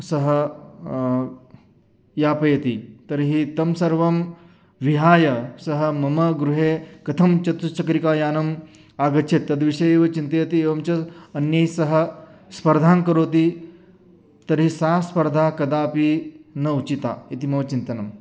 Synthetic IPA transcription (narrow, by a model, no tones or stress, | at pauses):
sɐɦɐ | jaːpɐjɐt̪it̪ɐɾɦit̪ɐmsɐɾʋɐm | ʋiɦaːjɐsɐɦɐ̆mɐmɐɡɾuɦeːkɐt̪ʰɐmt͡ʃɐt̪ut͡ʃɐkɾikaːjaːnɐm | aːɡɐt͡ʃʰet̪ːɐd̪ʋiʂɐjeːʋɐt͡ʃint̪ɐjɐt̪ieːʋɐmt͡ʃɐːnjɐjsɐɦɐ̆spɐɾd̪ʱaːnkɐɾoːt̪i | t̪ɐɾɦisaːspɐɾd̪ʱaːkɐd̪aːpinɐut͡ʃit̪a̰ːit̪imɐʋɐt͡ʃint̪ɐnɐm